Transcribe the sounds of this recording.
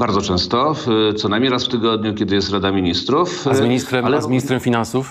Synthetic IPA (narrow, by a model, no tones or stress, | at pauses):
baɾd̪zɔt͡ʂɛ̃w̃st̪ɔt̪sɔnajmʲɲiɾasft̪ɘɡɔd̪ɲukʲɛd̪ɘjɛst̪ɾad̪amʲiɲist̪ɾufzmʲiɲist̪ɾɛmalɛzmʲiɲist̪ɾɛmfʲinansuf